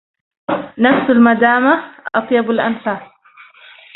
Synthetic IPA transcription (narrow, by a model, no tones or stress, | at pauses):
nafsalmad̪aːmaʔɑt̪ˤjabalʔanfaːs